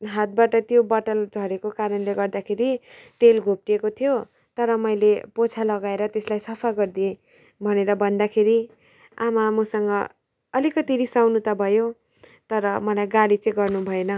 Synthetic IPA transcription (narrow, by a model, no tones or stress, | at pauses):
ɦat̪̚baʈʌt̪jobʌʈʌld͡zʱʌɾekokaɾʌnleɡʌrd̪akʰeɾit̪elɡʱop̚ʈiekot̪ʰijo | t̪ʌɾʌmʌjlepot͡sʰalʌɡaeɾʌt̪eslajsʌpʰaɡʌrd̪ie | bʱʌneɾʌbʱʌnd̪akʰeɾi | amamʌsʌŋɡʌ | ʌlikʌt̪iɾisawnut̪ʌbʱʌjo | t̪ʌɾʌmʌlajɡalit͡sʌĩɡʌrnubʱʌenʌ